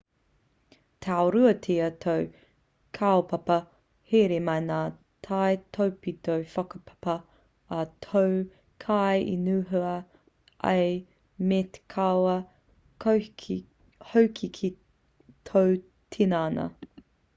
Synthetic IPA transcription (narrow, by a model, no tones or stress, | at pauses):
tʰeawɾʉɐtʰeːɐtʰow | kʰaopɐpɐ | heɾemɐjnaː | tʰajtʰowpit̪ʰowfɐkɐpʰɐ̥pɐ | ɐtʰow | kʰajʔḭnʉːɦʉɐ | ʔɐ̰j | mete̥kʰawɐ | howkʰikʰi | tʰow | tʰinaːnɐ̰